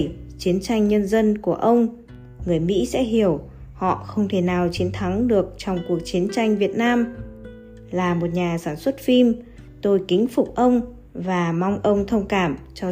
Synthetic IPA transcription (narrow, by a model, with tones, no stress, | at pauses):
t͡ɕi˨˦ənt͡ɕa˧jŋ̟ɲə˧nzə˧nku˧˩əʔə˧wŋ͡m | ŋɨ˨˩əjmḭ˧˥sɛ̰˧˥ɦi˧˩əw | hɔ̰˧˨xə˧wŋ͡mt̪ʰe˧˩naː˨˩wt͡ɕi˨˦ənt̪ʰa˨˦ŋɗɨ˨˩ək̚t͡ɕɔ˧wŋ͡mku˨˩ək̚t͡ɕi˨˦ənt͡ɕa˧jŋ̟vi˨˩ət̚naː˧m | laː˨˩mo˨˩t̚ɲaː˨˩saː˧˩nswə˦˥t̚fi˧m | t̪o˧jkï˨˦ŋ̟fʊ˨˩k͡p̚ʔə˧wŋ͡m | vaː˨˩mɔ˧wŋ͡mʔə˧wŋ͡mt̪ʰə˧wŋ͡mkaː˧˩mt͡ɕɔ˧